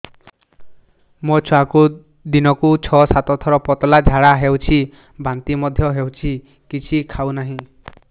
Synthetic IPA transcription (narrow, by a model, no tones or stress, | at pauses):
mɔt͡ʃʰaku | d̪inɔkut͡ʃʰɔsat̪ɔt̪ʰɔɾɔpɔt̪ɔlad͡ʒʱaɽaɦewt͡ʃʰi | bant̪imɔd̪ʱjɔɦewt͡ʃʰi | kit͡ʃʰikʰawnaɦĩ